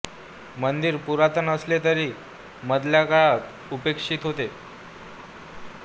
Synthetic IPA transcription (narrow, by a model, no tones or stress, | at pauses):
mənd̪iːɾpuɾat̪ənəslet̪əɾiː | məd̪ljakaɭat̪ | upekʂiːt̪ɦot̪e